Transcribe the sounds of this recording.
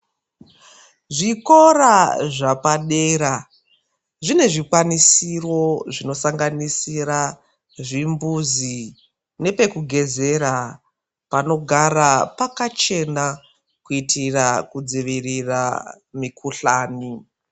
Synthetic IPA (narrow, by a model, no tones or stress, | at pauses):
ʐiko̞raʐapaɗeːɾa | ʐine̞ʐikwanisiro̞ʐino̞saŋɡanisiɾa | ʐimbuzi | ne̞pe̞kuɡʱe̞ze̞ɾa | pano̞ɡʱaɾapakat͡ʃe̞na | kuitirakud͡ziʋirira̰ | mikʰuɬaːni